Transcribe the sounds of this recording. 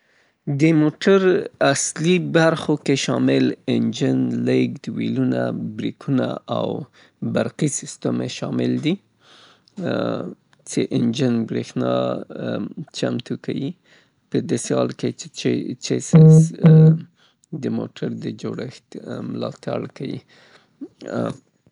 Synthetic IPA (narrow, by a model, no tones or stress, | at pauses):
d̪əmoʈaɾaslibaɾxokeʃɑmɪlɪnd͡ʒənleɡd̪wilunabɾikʰuna̰aw | baɾqisɪst̪əmeʃɑmɪld̪i | t͡seʔɪnd͡ʒənbɾexnɑ | t͡ʃamt̪ukawi | pəd̪asehɑlkeet͡ʃesas | d̪əmoʈʰaɾd̪əd͡ʒoɽəxt̪mɪlɑt̪aɽkawḭ